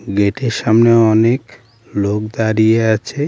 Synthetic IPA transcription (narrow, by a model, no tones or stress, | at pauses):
ɡeʈeɾʃamneɔnek | lokd̪aɾijeat͡ɕʰe